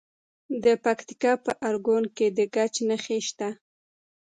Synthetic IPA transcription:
d̪əpakt̪i̥kɑpəʔaɾɡonked̪əɡat͡ʃnəxeʃt̪a

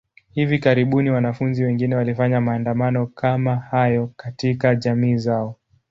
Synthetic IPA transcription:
hivikaɾiɓuniwanafunziwɛŋɡinɛwalifaɲamaːndamanɔkamahajɔkatikaʄamiːzaɔ

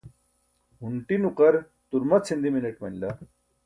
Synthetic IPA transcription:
ɦuɳʈinuqɐɾ | t̪uɾmɐt͡sʰind̪imineʈmɐnla

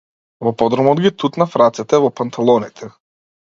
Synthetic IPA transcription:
vɔpɔd̪ɾɔmɔd̪ɡit̪ut̪nafɾat̪sɛt̪ɛvɔpant̪ʰalˠɔnit̪ʰɛ

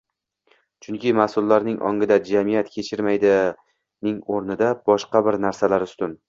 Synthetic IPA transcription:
t͡ʃʰʊŋkʲʰɪmasʊlːaɾnɪŋʔɒ̰ŋɪd̪ad͡ʒamijat̪kʲʰe̞t͡ʃʰɪɾmajd̪ɪ | nɪŋoɾnɪd̪ab̥ɒʃqɑbɪɾnaɾsalaɾʊst̪ʊn

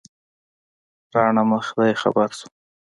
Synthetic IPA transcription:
ɾɑɳaməxd̪ajexa̰baɾsu̥

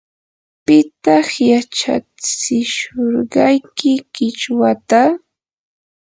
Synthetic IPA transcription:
pɪt̪ɑχjat͡ʃa̰t͡sɪʃoɾɢɑjkɪkɪt͡ʃwat̪a

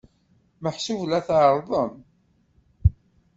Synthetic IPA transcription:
məħsivlæθʕəɾˤðˤəm

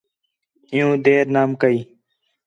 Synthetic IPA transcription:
ĩjũːd̪eːɾnaːmkəiː

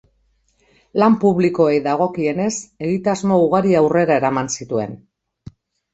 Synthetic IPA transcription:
lampuβliko̞e̞jðaɣ̞o̞kie̞ne̞se̞ɣit̪azmo̞uɣ̞aɾiawre̞ɾae̞ɾamansit̪ue̞̰n

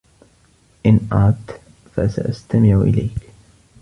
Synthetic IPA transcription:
ʔɪnʔaːt̪ | fasa̰ʔast̪amɪʕʔɪ̰lajk

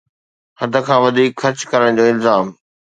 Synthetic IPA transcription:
hɐd̪ʱə̆kʰãːʋɐd̪ʱiːkxɐɾt͡ɕkɐɾəɽ̃d͡ʑoːɪlzaːm

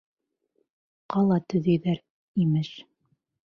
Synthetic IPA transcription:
qɑlˠɑt̪ɵ̆ðæjðæɾ | imɘʃ

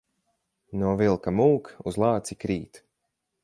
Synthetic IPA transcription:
nuɔvilˠkamuːkuzlˠɑːt̪sikɾiːt̪

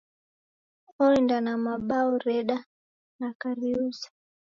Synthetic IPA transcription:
ɔlindanamaɓaɔɾɛɗa | nakaɾiuzḁ

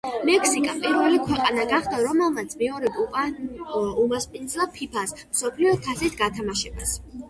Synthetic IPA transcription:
mɛkʰsikʼapʼiɾvɛlikʰwɛqʼanaɡaχd̪aɾɔmɛlˠmat̪sʰmɛɔɾɛd̪upʼ | umaspʼind̪zlapʰipʰasmsɔpʰliɔt̪ʰasit̪ʰɡat̪ʰamaʃɛbas

